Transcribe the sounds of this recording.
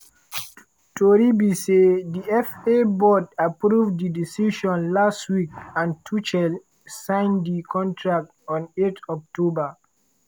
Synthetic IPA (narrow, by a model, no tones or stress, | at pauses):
toɾibisediɛfebɔdapɾuvdidisiʃɔ̃nlastwikãntʰut͡ʃɛl | sãɪ̃ndikʰɔ̃ntʰɹak̚tɔ̃netɔk̚toba